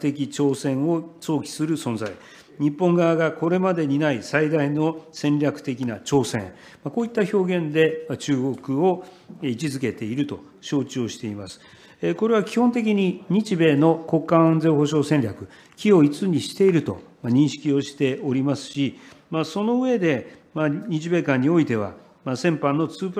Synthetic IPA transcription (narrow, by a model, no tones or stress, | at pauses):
t̪e̞k̬ʲit͡ɕo̞ːsẽ̞ɰ̃o̞t͡so̞ːkʲi̥sɨɾɯ̟sõ̞nd͡za̰i | ɲ̟ipːõ̞ŋɡaːɡako̞ɾe̞mad̪e̞ɲ̟inaisaid̪aino̞sẽ̞nɾʲakɯ̟̥t̪e̞kʲinat͡ɕo̞ːsẽ | mako̞ːit̪ːaço̞ːɡẽ̞nd̪e̞mat͡ɕɨːɡo̞kɯ̟o̞ | it͡ɕizɨke̞t̪e̞iɾɯ̟t̪o̞ | ɕo̞ːt͡ɕɨoːɕi̥t̪e̞imasɨ̥ | eko̞ɾe̞β̞akʲihont̪̬e̞k̬ʲiɲ̟iɲ̟it͡ɕibe̞ːno̞ko̞kːãnzẽ̞hoɕo̞ːsẽ̞nʲɾʲakɯ̟ | kʲio̞it͡sɨɲ̟iɕi̥t̪e̞iɾɯ̟t̪o̞̰maɲ̟ĩɰ̃ɕi̥kʲio̞ɕi̥t̪e̞oɾʲimasɨ̥ɕi | maso̞no̞ɯ̟e̞d̪e̞maɲ̟it͡ɕibe̞ːkãɲ̟ːio̞it̪e̞β̞a̰ | masẽ̞mpãnːo̞t͡sɨːp